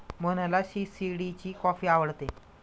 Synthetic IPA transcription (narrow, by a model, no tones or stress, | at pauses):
mənalaɕiːsiɽit͡ɕiːkɔfiːaʋəɽt̪e